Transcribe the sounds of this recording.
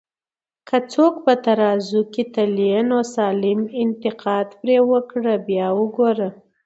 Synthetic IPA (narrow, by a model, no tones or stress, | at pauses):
kʰət͡sokpət̪aɾɑzuket̪alijanosɑlɪmɪnt̪ɪqɑd̪pɾewəkɽəbjɑwəɡoɾə